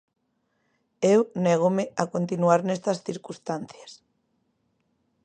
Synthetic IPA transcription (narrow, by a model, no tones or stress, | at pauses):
ewnɛɣ̞omɪakont̪inuaɾnɛst̪ɐsθiɾkust̪anθjas